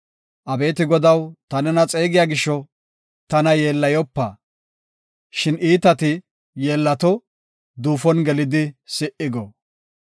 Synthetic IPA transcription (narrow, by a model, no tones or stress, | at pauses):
ʔɐbe̞ːt̪ɪɡɔd̪ɐwt̪ɐnɛnɐt͡sʼe̞ːɡɪjaːɡɪʃːɔ | t̪ɐnɐje̞ːlːɐjɔpːa̰ː | ʃɪniːt̪ɐt̪ɪ | je̞ːlːɐt̪ɔ | d̪uːfɔnɡɛlɪd̪ɪsɪʔɪɡɔ